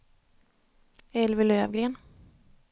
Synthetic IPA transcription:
ɛlvɪløːvɡɾeːn

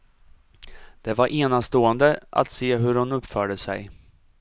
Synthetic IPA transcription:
d̪̥ɛvaɾʔeːnast̪oːənd̪əʔa̰t̪seːɦɵɾhʊnɵpːfœːɖəsɛ̰j

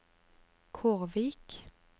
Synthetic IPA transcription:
kʰʊʁʋiːk

